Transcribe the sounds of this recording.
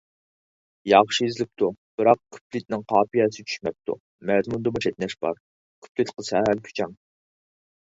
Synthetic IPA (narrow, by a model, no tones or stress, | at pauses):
jɑχʃiezɪlɪp̚t̪ʰub̥ɨɾɑq̚kʲʰy̥plɪt̪̚nɪŋqʰɑːpijɛsɪt͡ʃʰy̥ʃmɛp̚t̪ʰṵ | mɛzmund̪ɑmɨʃet̪̚nɛʃb̥ɑ̰ɾ | kʲʰy̥plɪt̪qəsɛɦælkʲʰy̥t͡ʃʰɛŋ